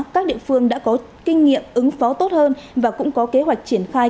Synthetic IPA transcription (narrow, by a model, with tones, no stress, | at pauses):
kaː˦˥k̚ɗḭ˧˨əfɨ˧əŋɗa̰ː˧˥kɔ˨˦ | kï˧ŋ̟ŋḭ˧˨əmʔɨ˨˦ŋfɔ˨˦t̪o˦˥t̚həː˧nvaː˨˩kʊ̰˧˥ŋ͡mkɔ˨˦ke˨˦ɦwa˨˩jk̚t͡ɕi˧˩ənxaː˧